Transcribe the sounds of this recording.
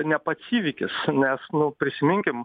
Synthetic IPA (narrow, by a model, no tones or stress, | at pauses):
nʲɛpɐtsʲiːʋʲiːkʲɪ̰snʲɛsnʊpʲɾʲɪsʲɪmʲɪŋʲkʲɪm